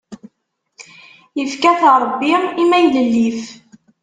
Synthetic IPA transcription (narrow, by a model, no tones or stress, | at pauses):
jəfkæθɾˤəbːiimæjləlːif